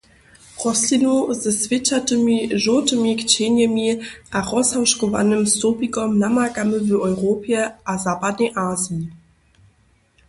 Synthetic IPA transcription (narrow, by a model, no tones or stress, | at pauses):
ʁɔslinozəsv̥ɪt͡ʃatəmiʒotəmikt͡ɕenjɛmiʔaʁɔsawʃkɔva̰nəmstoːpikɔmnamaɡaməvəʔɔʏʁoːpʰjɛʔazaːpadneʔaːzii